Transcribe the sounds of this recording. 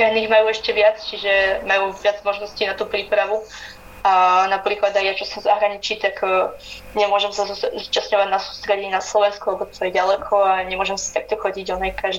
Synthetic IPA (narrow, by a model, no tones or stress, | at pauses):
aɦniːɣmajuːɛʃcɛʋɪat͡st͡ʃiʒɛmajuːʋɪad͡zmɔʒnɔsciːnat̪uːpɾiːpɾaʋu | anapɾiːklad̪ajjat͡ʃɔsɔmzaɦɾaɲit͡ʃiːt̪akː | ɲɛmʊɔʒɛmsazuzuːt͡ʃasɲɔʋaɟnasu̥ːst̪ɾɛɟinaslɔʋɛnskɔalɛbɔt̪ɔjɛɟalɛkʰɔaɲɛmʊɔʒɛmsi̥t̪ak̚t̪ɔxɔɟiɟɔnɛjkaʒ